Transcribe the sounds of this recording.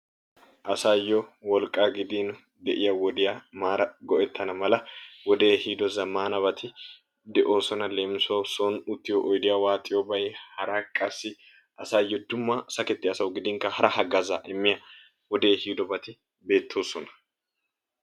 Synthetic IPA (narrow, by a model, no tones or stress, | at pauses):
ʔɐsajːɔwɔlkʼːaɡɪd̪in | d̪ɛʔɪjɐwɔd̪ɪjamaːɾɐɡɔʔɛt̪ʰːɐnɐmɐlɐwɔd̪e̞ːhiːd̪ɔzɐmaːnɐbɐt̪ɪ | d̪ɛʔo̞ːsɔnɐle̞ːmsoːsoːnʊt̪ːɪjɔʔɔjd̪ɪjawaːt̪ʼɪjɔbɐjhɐɾakʼːɐsːɪ | ʔɐsaːjːɔd̪ʊmːɐsɐkɛt̪ːɪɐsɐwɡɪd̪ɪŋkɐhɐɾɐhɐɡɐzaʔɛmːɪjɐ | wɔd̪e̞ːhiːd̪ɔbɐt̪ɪ | be̞ːt̪ʰːo̞ːsɔnɐ̥